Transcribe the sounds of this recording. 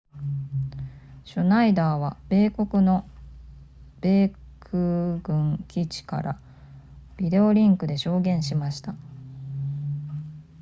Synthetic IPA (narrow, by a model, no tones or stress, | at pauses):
ɕonaid̪aːβab̥e̞ːko̞kɯ̟no̞ | b̥e̞ːkʰɯ̟ɡɯ̟̃ŋkʲit͡ɕi̥ka̰ɾʔa̰ | b̥ʲid̪e̞o̞ɾʲĩŋkɯ̟d̪e̞ɕo̞ːɡẽ̞ɰ̃ɕimaɕi̥t̪a